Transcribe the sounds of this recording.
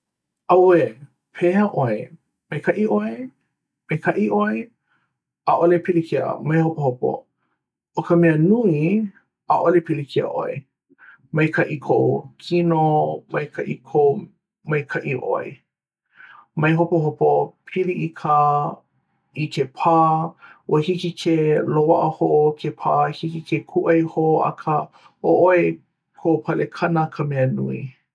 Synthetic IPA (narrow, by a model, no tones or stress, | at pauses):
ɐwe | pʰeɐʔoe | mɐjkʰɐʔiʔoe | mejkʰɐʔiʔoe | aʔolepʰilikʰiə̰mɐjhopohopo̰ | okɐmeənui | ɐ̰ʔolepilikʰiɐ̰ʔo̰ḛ | mɐjkʰɐʔikʰowkʰinomɐjkʰɐʔikʰow | mɐjkʰɐʔiʔo̰ḛ | mɐjɦopoɦopopʰiliʔikʰa | ikʰepʰaːwɐhikikʰelowaʔəhoʔokʰepʰaːhikikʰekʰuʔɐjhoɐ̰kʰə | oʔoe | kʰopʰɐlekʰɐnəkʰɐmeɐnṵḭ